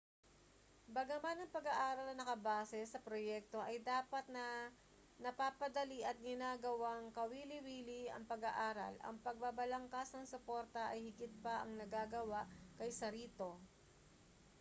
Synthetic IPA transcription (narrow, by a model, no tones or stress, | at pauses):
bɐɡɐmanɐŋpɐɡaʔaːɾɐlnɐnɐkɐbaːsɛsɐpɾojɛk̚t̪o̞ʔɐjd̪aːpɐt̪̚nɐ | nɐpaːpɐd̪ɐliʔɐt̪̚ɡɪnaːɡɐwaŋkɐwiːlɪwiːlɪɐ̰ŋpɐɡɐʔaːɾɐ̰lʔɐ̰ŋpɐɡ̚babɐlɐŋkasnɐŋsʊpo̞ɾt̪ɐʔɐjhɪɡɪt̪̚pɐʔɐŋnɐɡaːɡɐwaʔkɐjsɐɾiːt̪o̞